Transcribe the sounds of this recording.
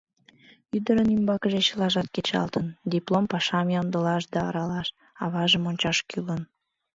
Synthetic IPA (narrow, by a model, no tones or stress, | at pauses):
yd̪əɾənimbɑkəʒet͡ɕəlɑʒɑt̪ket͡ɕɑ̰lt̪ənd̪iplˠompɑʃɑmjɑnd̪əlɑʃd̪ɑɑ̰ɾɑlɑʃ | ɑβɑʒəmonʲt͡ɕɑʃkylən